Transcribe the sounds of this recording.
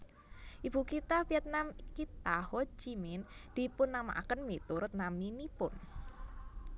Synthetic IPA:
ʔib̥ukit̪afiɛt̪̚namkit̪ahod͡ʒimɪnd̪̥i̤pʊnːama̰ʔa̰kənmit̪uɾʊt̪̚naminipʊn

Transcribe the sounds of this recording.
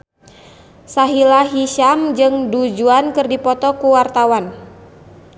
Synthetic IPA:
saɦilaɦiʃamd͡ʒɨŋdud͡ʒuankɨrdipɔt̪ɔkuwart̪awan

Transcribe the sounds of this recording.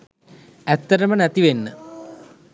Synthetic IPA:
ɛt̪ːɐɾɐmənɐt̪iʋenːə̰

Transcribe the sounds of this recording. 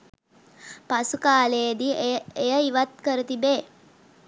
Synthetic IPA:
pasukaːled̪iejəiʋat̪̚kəɾət̪ibeː

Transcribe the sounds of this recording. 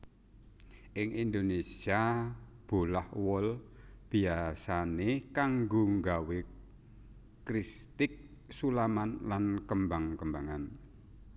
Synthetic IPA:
ʔɪŋʔind̪onesiab̥o̤lahwɔlb̥i̤asanekaŋɡoŋɡawe | kɾist̪ɪk̚sulamanlankəmbaŋkəmbaŋan

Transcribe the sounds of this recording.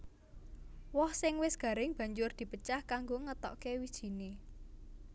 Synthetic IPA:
wɔhsɪŋwɪsɡ̥ä̤ɾɪŋb̥ä̤ɲd͡ʒʊrd̪̥i̤pət͡ʃahkaŋɡoŋət̪ɔ̰ʔkewid̥ʒ̥i̤ne

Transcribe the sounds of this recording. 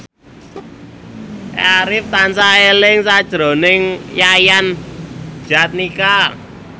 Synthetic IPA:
aɾɪft̪ansaelɪŋsad̥ʒ̥ɾo̤nɪŋjajan̥ | ʒ̥a̤t̪̚nika

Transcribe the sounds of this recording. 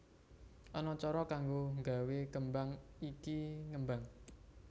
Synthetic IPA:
ʔɔnɔt͡ʃɔɾɔkaŋɡoŋɡa̤wekəmbaŋikiŋəmbaŋ

